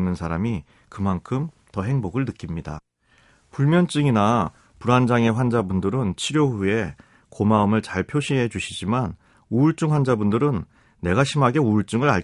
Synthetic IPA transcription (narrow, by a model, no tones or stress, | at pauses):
nːɯnsʰaɾami | kɯmankʰɯm | tʌɦe̞ŋboɡɯɭnɯk͈imɲida̰ | puɭmjʌnt͡ɕ͈ɯŋina | puɾand͡ʑaŋe̞ɸwand͡ʑabundɯɾɯnt͡ɕʰiɾjoɸue̞ | komaɯmɯɭt͡ɕaɭpʰjoɕʰiɦe̞d͡ʑuɕʰid͡ʑiman | uːɭt͡ɕ͈ɯŋɸwand͡ʑabundɯɾɯnː | e̞ɡaɕʰimɦaɡe̞uːɭt͡ɕ͈ɯŋɯɾaɭ